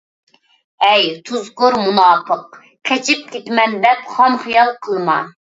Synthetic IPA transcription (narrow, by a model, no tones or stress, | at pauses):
ɛjt̪ʰuzkʊɾmunɑːpʰəq | kʰɛt͡ʃʰip̚kʲʰet̪mɛnd̪ɛpχɑmχijɑlˠqʰəlˠmɑ̰